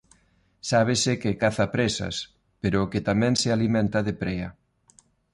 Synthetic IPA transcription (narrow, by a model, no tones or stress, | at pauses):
saβ̞ɪsɪkɪkaθapɾesɐ̰s | peɾʊket̪amɛ̃ŋsɪalimɛ̃nt̪ɐðɪpɾɛɐ̰